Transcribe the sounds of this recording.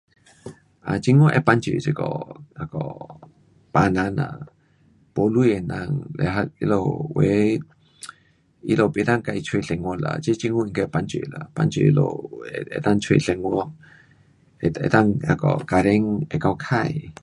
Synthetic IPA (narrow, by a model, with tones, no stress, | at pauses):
ʔa˨t͡ʃi˦ŋo˦ʔɛ˧pa˧nt͡ʃḭ˨t͡ʃi˧kɔ˨a˧kɔ˨ | pa˧na˧na̰˧˨ | po˧˦lu˦je˧na˧ŋlḛ˨ɦa˧i˧lo˧we˨˦ | i˧lo˧pi˧t̪a˦˧ŋka˧ʔi˧t͡ʃʰwe˧ɬe˨ŋwo˧la̰˨t͡ʃi˦t͡ʃi˧ŋu˦i˧ŋka˧pa˧nt͡ʃḭ˨la̰˨pa˧nt͡ʃi˧ʔi˧lo̰˧ḛ˧t̪a˦ŋt͡ʃʰwḛ˧ɬe˧ŋo˧ŋ | eḛ˧t̪a˦ŋa˧kɔ˨ka˧ɾe˧˦ŋɛ˧ka˧wkʰa˧j